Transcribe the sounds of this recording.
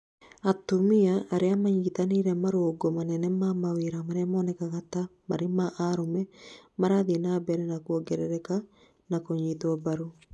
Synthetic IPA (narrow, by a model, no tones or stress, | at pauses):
atumiaʔːɾeamaɲitaniɾɛmaɾoːɡɔmanɛnɛmamaweɾamaɾeamɔnɛkaɣatama̰ɾemaʔaɾomɛmaɾaðenabɛɾɛnakwɔɡɛɾɛɾɛka | nakoɲitwabaɾu